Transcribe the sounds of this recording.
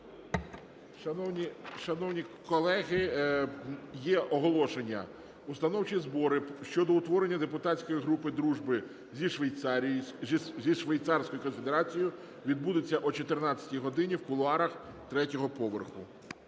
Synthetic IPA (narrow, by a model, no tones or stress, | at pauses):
ɔiʃɐnɔwnʲikɔlˠɛɦɪ | jɛʔɔɦɔlˠɔʃenʲːɐ̰ | ust̪ɐnɔwt͡ʃizbɔɾɪʃt͡ʃɔd̪ɔʊt̪ʋɔɾenʲːɐd̪e̞pʊt̪ɑt͡sʲkɔjiɦɾupɪd̪ɾuʒbɪ | zʲiʃʋejt̪sɑɾʲijzʲiʃʋejt̪sɑrsʲkɔjʊkɔnfʲed̪eɾɑt͡sʲijʊ | ʋʲid̪bud̪et͡sʲːɐʔɔt͡ʃɔt̪ɪrnɑt͡sʲːɐ̥tʲiɦɔd̪ɪnʲiwkʊlˠʊɑɾɐxt̪ɾɛtʲɔɦɔpɔʋerxʊ